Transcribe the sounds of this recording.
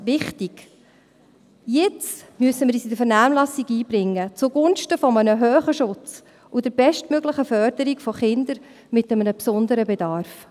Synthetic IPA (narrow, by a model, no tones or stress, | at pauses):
ʋɪχtiɡ̥ | jɪt͡smyəsəmɪɾiːsid̪əɾfɛɾnæːmlɑsiɡiːbɾɪŋːət͡sʊɡʊnʃtəfɔmənəɦœːχəʃʊt͡s | ʊdɛɾbɛʃtmøɡləχəfœɾd̥əɾikfɔχɪnd̪əɾ | mɪtəmənəpsɔnd̪əɾəbɛd̪ɑɾf